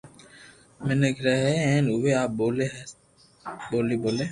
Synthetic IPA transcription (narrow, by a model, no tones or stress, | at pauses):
mɪnekɾɛɦɛɛ̃ːnʊʋeaːp̚boːleɦ | boːliboːleː